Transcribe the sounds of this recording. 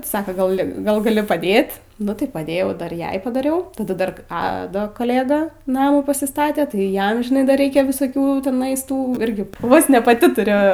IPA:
ˈsɑːkɐ ˈɡɐlʲ ɡɐlˠ ɡɐˈlʲɪ pɐˈdʲeːt nʊ tɐɪ pɐˈdʲeːjɛʊ ˈdɐr ˈjɛɪ pɐdɐˈrʲɛʊ tɐˈdɐ ˈdɐr ˈɑːdoː kɐˈlʲeːdɐ ˈnɑːmuː pɐsʲɪˈstɑːtʲɛ tɐɪ ˈjɛm ʒʲɪˈnɐɪ ˈdɐr ˈrʲɛɪkʲɛ ʋʲɪsoːˈkʲuː tʲɪˈnɐɪs ˈtuː ˈɪrʲɡʲɪ ʋoːs nʲɛ pɐˈtʲɪ tʊˈrʲʊ

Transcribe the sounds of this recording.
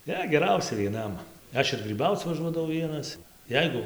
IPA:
ˈnʲɛ ɡʲɛˈrɐʊsʲɛ ʋʲiɛˈnɐm ˈɐʃ ɪr ɡrʲiːˈbɐʊt͡s ʋɐˈʒuɔdɐʋɐʊ ˈʋʲiɛnɐs ˈjɛɪɡʊ

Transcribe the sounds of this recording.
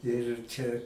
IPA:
ɪr ˈt͡ʃʲɛ

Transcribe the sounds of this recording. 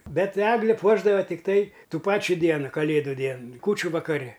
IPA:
ˈbʲɛt ˈæːɡlʲɪ ˈpuɔʒdɐʋoː tʲɪkˈtɐɪ ˈtuː ˈpɑːt͡ʃʲuː ˈdʲiɛnʊ kɐˈlʲeːdʊ ˈdʲiɛn ˈkuːt͡ʃʲʊ ʋɐkɐˈrʲɪ

